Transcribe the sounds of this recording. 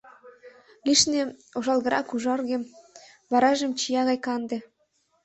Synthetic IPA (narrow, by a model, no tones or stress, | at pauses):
liʃneoʒɑlˠɣə̆ɾʔɑ̰kuʒɑrɣem | βɑɾɑʒəmt͡ɕijɑɣɑjkɑnd̪ĕ